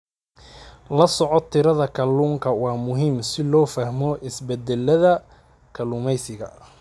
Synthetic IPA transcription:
lɐsɔʕɔt̪ʰɪɾɐðɐkʰɐluːŋkʰɐwɑːmʊɦiːmsɪlɔːfɐhmɔʔɪsbɛd̪ɛlːɐðɐ | kʰɐluːmɛjsɪɣɐ̰

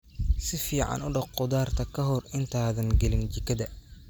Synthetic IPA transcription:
sɪfiːʕɑ̰nʊɖɑqqʊðaːrt̪ʰɐkʰɐɦɔrɪnt̪ʰaːðɐŋɡɛlɪnt͡ʃɪkʰɐðɐ

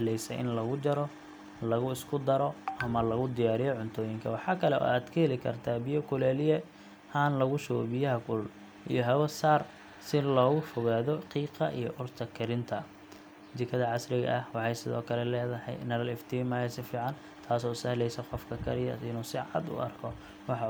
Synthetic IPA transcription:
lɛjsɛ̰ʔɪ̰nlɐɣʊd͡ʒɐɾɔ | lɐɣʊɪskʰʊd̪ɐɾɔɐmɐlɐɣʊd̪ɪjaːɾɪjɔʕʊnt̪ʰɔːjɪŋkʰɐ̰wɑħɑːkʰɐlɛʔɔ̰ːaːd̪kʰɐhɛlɪkʰɐ̰rt̪ʰaːbijɔkʰʊlɛːlɪjɛ | haːnlɐɣʊʃɛɣɔ̰bɪjɐɦɐkʰʊl | ḭjɔɦɐwɐsaːr | sɪlɔːɣʊfɔɣaːðɔqiːqɑʔijɔʔʊrt̪ʰɐkʰɐɾɪnt̪ʰɐ | d̪ɪkʰɐðɐʕɑsɾɪɣɐ̰ʔɐhwɑħɑjsɪðɔ̰ːkʰɐlɛlɛːðɐhɛ̰jnɐɾɐlɪft̪ʰimɐːjɐsɪfiːʕɑn | t̪ʰaːsɔːsɐhlɛjsɛqɔfkʰɐkʰɐ̰ɾɪjɐ̰ɪnuːsɪʕɑ̰d̪ʊ̰ɐ̰rkʰɔ | wɑħɑ

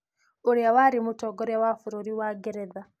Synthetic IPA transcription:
oɾeawaɾimutɔɡɔɾeawafuɾoɾiwaɡɛɾɛða

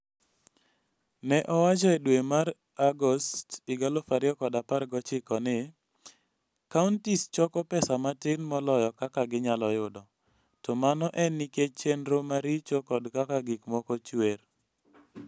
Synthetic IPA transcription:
nɛʔɔwat͡ʃaɛdwemaɾ | aɡɔstɪɡalofaɾɪɔkɔdaparɡɔt͡ʃɪkɔnɪ | kauntist͡ʃɔkɔpɛsamatɪnmɔlɔjɔkakaɡɪɲalɔjʊdɔ | tɔmanɔʔɛniket͡ʃenɾomaɾit͡ʃɔkɔdkakaɡɪkmɔkɔt͡ʃwer

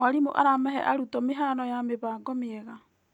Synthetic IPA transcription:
aɾimuʔa̰ɾamɛɦɛ̰ʔaɾutomeɦaːnojameβaːɡomieɡa

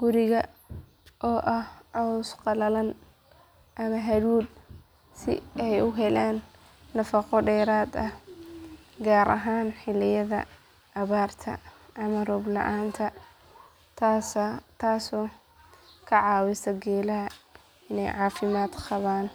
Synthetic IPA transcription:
ɡʊɾɪɣɐ | ʔɔːʔɐhʕɔsqɑlɐlɐn | ʔɐmɐɦɐɾuːd̪ | sɪ̰ɛjʊɦɛlaːnː | ɐfɑqɔɖɛːɾaːd̪ɐh | ɡaːɾʔɐ̰ɦaːnħɪlɪjɐðɐ̰ | ʔːβaːrt̪ʰɐ̰ | ʔɐmɐrɔːblɐ̰ʔaːnt̪ʰɐ | t̪ʰaːsɔː | kʰɐʕɑːwɪsɐɡɛːlɐɦɐ | ɪnɛ̰jʕɑːfɪmaːd̪qɑβaːn

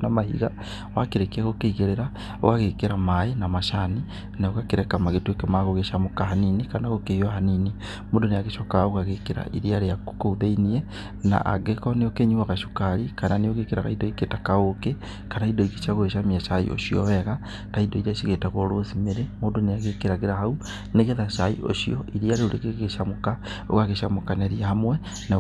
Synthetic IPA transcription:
namahḭɣa | wakeɾekaɣokeiɣeɾeɾa | oɣaɣekeɾamaenamaʃani | naoɣakeɾɛkamaɣetekemaɣoɣeʃamokahaninikanaɣokeiohanini | moːdonejaɣeʃokaoɣaɣekeɾa̰ʔḭɾiaɾeakouðainie | na̰ʔa̰ɡekoneokeɲuwaɣaʃo̥kaɾikananeoɣekeɾaɣa̰idɔiketakaoke | kanaidɔike̥ʃaɣoɣeʃamiaʃaḭo̰ʃiɔ̰wɛɣa | taidɔiɾaʃiɣetaɣoɾosimeɾemoːndonejaɣekeɾaɣeɾahau | neɣeðaʃaḭo̰ʃiɔʔiɾiaɾeoɾekeɣeʃamoka | o̰ɣaɣeʃamokanaɾiahamwɛ | na

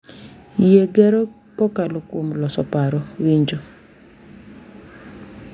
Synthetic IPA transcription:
jeɡɛɾɔ | kɔkalokwomlɔsɔpaɾɔwiɲd͡ʒo

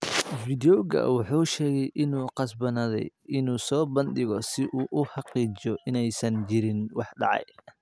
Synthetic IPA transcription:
fid̪ɔɣɐ̰wɑħuːʃɛːɣɛjʔɪnuːqɑsbɐnɐðɛ̰jɪnuːsɔːbɐnd̪ɪɣɔsɪʔuːʔʊħɑqiːt͡ʃɔʔɪnɛjsɐnt͡ʃɪɾɪnwɑħɖɑ̰ʕɑ̰j

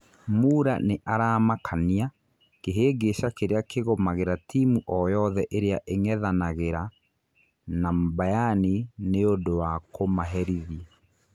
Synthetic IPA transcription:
muːɾa̰neʔaɾaːmakʰania | keɦeːɡeʃakeɾeakeɣɔmaɣeɾatʰimuʔɔjɔðɛʔeɾeaʔeŋɛðanaɣeɾa | nambajanineondowakomaɦɛɾiðiɛ

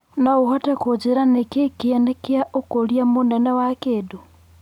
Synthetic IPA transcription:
nauhatakod͡ʒiɾanekekianekjaʔokoljamunanawakedu

